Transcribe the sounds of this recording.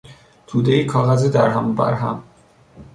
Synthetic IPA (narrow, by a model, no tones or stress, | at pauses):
t̪ʰuːd̪eiːkʰɒːɣæzid̪æɾɦæmbæ̰ɾɦæ̰m